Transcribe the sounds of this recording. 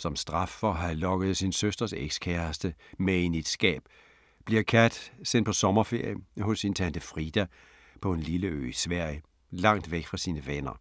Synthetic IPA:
sɒ̽msd̥ʁɑ̈fːɒɦælɒ̽ɡ̥əð̞̩ˠsinsøsd̥ɐseɡ̥skʰæɐsd̥əmeenid̥sɡ̥ɛ̰ːb̥ | b̥liɐkʰæd̥sen̰d̥pʰɒ̽sɒ̽mɐfe̝ɐ̰jəhɔ̽sːint͡sʰænd̥əfʁid̥æ | pʰɒ̽e̝nliləø̰ːisʋæɐ̰jə | lɑ̈ŋ̰d̥ʋeɡ̥fʁɑ̈siːnəʋenɐ

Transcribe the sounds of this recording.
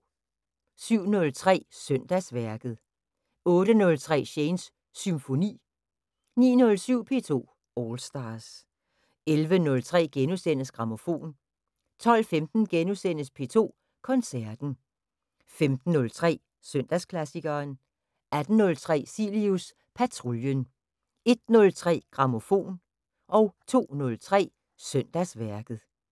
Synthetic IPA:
syʊ̰nɔ̽lt͡sʰʁɛ̰ːsœn̰d̥æsʋæɐɡ̥ð̞̩ˠ | ɔ̽ːɾ̥ənɔ̽lt͡sʰʁɛ̰ːɕeɪnsː | ymfo̝nḭː | nḭːnɔ̽lsyʊ̰pʰe̝̰ːt͡sʰo̝̰ː | ɒːlsd̥ɑs | elʋənɔ̽lt͡sʰʁɛ̰ːɡ̥enusen̰əsɡ̥ʁɑ̈mo̝fo̝̰ːn | t͡sʰɒ̽l̰femd̥n̩ɡ̥enusen̰əspʰe̝̰ːt͡sʰo̝̰ː | kʰɒ̽nsæɐd̥n̩ | femd̥n̩ːɔ̽lt͡sʰʁɛ̰ː | søn̰d̥æskʰlæsiɡ̥ɐːn | æd̥n̩ːɔ̽lt͡sʰʁɛ̰ːsilius | pʰæt͡sʰʁoljən | e̝d̥̚nɔ̽lt͡sʰʁɛ̰ːɡ̥ʁɑ̈mo̝fo̝̰ːn | ʔɒ̽ʊt͡sʰo̝̰ːnɔ̽lt͡sʰʁɛ̰ː | sœn̰d̥æsʋæɐɡ̥ð̩ˠ

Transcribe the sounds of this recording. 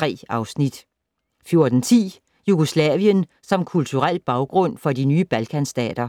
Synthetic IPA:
ʁɛ̰ːɑ̈ʊsnid̥ | fjo̝ɐd̥n̩t͡sʰḭː | juɡ̥uslɛ̰ːʋiən | sɒ̽mkʰult͡sʰuʁal̰b̥ɑ̈ʊɡ̥ʁɔ̽n̰fɒ̽dinyːəb̥ælkʰænsd̥ɛ̰ːd̥ɐ

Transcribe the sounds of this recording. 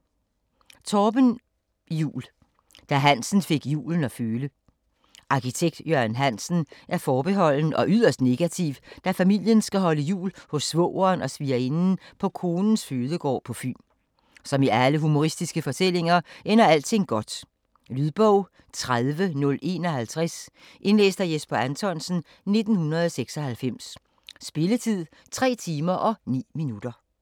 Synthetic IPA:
t͡sʰɒːb̥ən | jṵːl | d̥æɦæn̰sn̩fe̝ɡ̥jṵːln̩ɒ̽føːlə | ʔɑ̈kʰit͡sʰeɡ̥d̥jøɐnɦæn̰sn̩ʔæɐfɒːb̥e̝ɦɒ̽l̰nəʔɒ̽ʔyðˠɐsd̥ne̝ɡ̥æt͡sʰiʊd̥æfæmil̰jənsɡ̥æɦɒ̽ləjṵːlhɔ̽sːʋɔ̰ʊɐːnɒ̽sʋiːɐenn̩pʰɒ̽kʰo̝ːnn̩sføːðˠəɡ̥ɒ̰ːpʰɒ̽fy̰ːm | sɒ̽miʔæləɦumo̝ʁisd̥isɡ̥əfɒ̽t͡sʰel̰e̝ŋɐʔenɐæl̰t͡sʰe̝ŋ̰ɡ̥ɒ̽d̥ | lyðˠb̥ɔʊ̰ | t͡sʰʁaðˠʋənɔ̽le̝ːnɒ̽hælt͡sʰʁas | ʔe̝nlḛːsd̥æjesb̥ɐænt͡sʰɒ̽nsn̩ | ne̝d̥n̩hunɐð̞̩ˠɒseɡ̥sɒ̽hælfem̰sː | b̥e̝lət͡sʰið̰ˠ | t͡sʰʁɛ̰ːt͡sʰiːmɐʔɒ̽nḭːminud̥ɐ

